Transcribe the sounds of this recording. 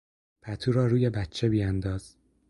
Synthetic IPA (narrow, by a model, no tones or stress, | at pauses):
pʰæt̪ʰuːɾɒːɾuːjebæt̪t͡ʃʰebijænd̪ɒːz̥